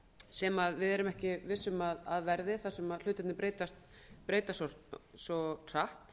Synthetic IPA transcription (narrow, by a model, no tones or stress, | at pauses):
sɛmaðvɪðɛɾʏmɛhcɪvɪsːʏmaðaðvɛɾðɪθaðsɛmaðl̥ʏːt̪ɪt̪nɪpɾeːjt̪ast̪ | pɾeːjt̪asɔsɔr̥aht̪